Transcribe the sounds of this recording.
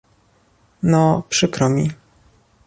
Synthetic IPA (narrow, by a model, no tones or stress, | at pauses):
nɔpʂɘkɾɔmʲi